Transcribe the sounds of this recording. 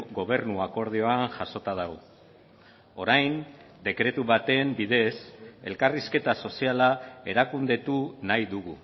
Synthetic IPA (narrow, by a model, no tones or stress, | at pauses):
ɣo̞β̞e̞rnuako̞ɾð̞io̞anʝaso̞t̪aðaɣo̞ | o̞ɾajn | d̪e̞kɾe̞t̪uβat̪e̞mbiðe̞se̞lkariske̞t̪aso̞sialae̞ɾakund̪e̞t̪unajðuɣu